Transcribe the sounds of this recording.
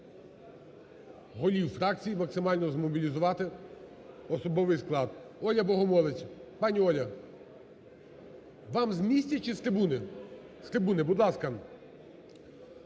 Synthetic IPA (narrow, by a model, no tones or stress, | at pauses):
ɦɔlʲiwfɾɑk̚t͡sʲijimɐksɪmɑlʲnɔzmɔbʲilʲizʊʋɑt̪ɪ | ɔsɔbɔʋɪjsklˠɑd̪ɔlʲɐbɔɦɔmɔlˠɪt͡ʃʲpɑnʲiɔlʲɐ | ʋɑmzmʲisʲtʲɐt͡ʃɪst̪ɾɪbunɪ | st̪ɾɪbunɪbʊd̪lˠɑskɐ